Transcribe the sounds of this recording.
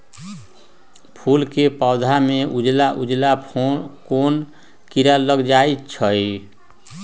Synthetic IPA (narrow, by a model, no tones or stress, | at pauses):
pʰulkepawd̪ʱameud͡ʒlaʔud͡ʒlapʰokon | kiɾaləɡd͡ʒajtt͡ʃʰəj